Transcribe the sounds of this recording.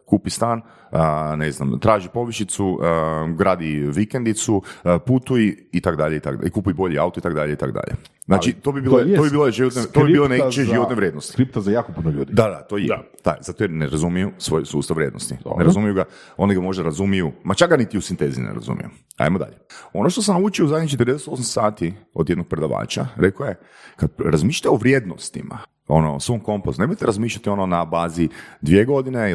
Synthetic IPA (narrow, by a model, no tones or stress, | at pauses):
kuːpist̪aːn | ənezna̰mt̪ɾaːʒipo̞ʋiʃit̪suɡɾaːd̪iʋikend̪it̪suput̪ujiit̪akd̪aʎeit̪akikupujibo̞ʎiaut̪oit̪akd̪aʎeit̪a̰kod̪a̰ʎḛ | znaːt͡ʃit̪obibiːloobibiːloʒiʋot̪net̪obibilˠonet͡ʃeʒiʋot̪neʋɾjed̪nost̪iɾip̚t̪azajaːkopunoʎuːd̪id̪ad̪at̪oje | t̪a̰zat̪ojeneɾazumijusʋo̞jsuːst̪aʋɾjed̪nost̪ḭneɾazumijuɡao̞niɡamo̞ʒd̪aɾazumijumat͡ʃakɡanit̪iusint̪ezḭinḛɾa̰zṵmḭju | a̰jmod̪a̰ʎeo̞noʃt̪osamnaut͡ʃiouzajd̪ɲit͡ʃet̪ɾd̪eese̥t̪osamsaːt̪iod̪jed̪no̞ɡ̚pɾe̞d̪aʋa̰ːt͡ʃa̰ɾekoje̞ | kad̪̚ɾazmiʃʎi̥t̪eoʋɾjed̪no̰st̪ima̰ | ono̰so̞mko̞mposnemojt̪eɾazmiːʃʎat̪io̞nonabaːzid̪ʋieɡo̞d̪ine